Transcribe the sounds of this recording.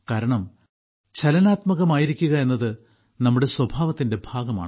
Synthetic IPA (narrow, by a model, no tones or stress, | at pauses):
kaːɾɐɳɐm | t͡ɕʰɐlɐnaːt̪mɐɣɐmaːjiɾikʲːuɣɐe̞nːɐðɨ | nɐmːuɽe̞swɐbʱaːʋɐt̪ːinde̞bʱaːɡɐma̰ːɳɨ